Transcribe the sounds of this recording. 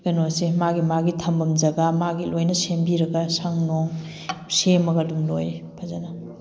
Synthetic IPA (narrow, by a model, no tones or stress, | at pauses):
ɡ̥ɐnosemaɡimaɡitʰɐmbɐmd͡ʒɐɡamaɡilojnɐsembiɾɐɡɐsɐŋnoŋ | semɐɡɐdumlojpʰɐzanɐ